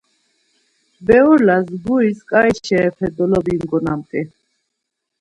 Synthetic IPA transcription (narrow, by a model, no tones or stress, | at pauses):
bɛuɾlasɡuiskʼaiʃɛːpʰɛd̪ɔlɔbiŋɡɔnamt̪ʼi